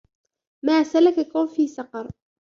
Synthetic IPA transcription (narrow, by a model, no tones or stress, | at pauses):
maːsalakakawnfiːsɑqɑɾˤ